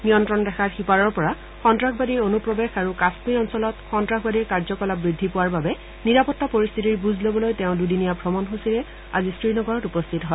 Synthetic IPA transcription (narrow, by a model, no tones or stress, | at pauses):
nijɔntɹɔndɛxʰaɹxipaɹɔɹpɔɹa | xɔntɹakbadiɹonupɹɔbexaɹukasmiɔnsɔlɔtxɔntɹakʰbadiɹkaɹzɔkɔlapːɹidʱːipowaɹbabɛ | niɹapɔtːapoɹist̪ʰitiɹbuzʱlobɔlojtɛʊ̃dudinijabʱɹɔmɔnɦusilɛ | a̰zisɹinɔɡɔɹɔtupɔst̪ʰitɔɦɔ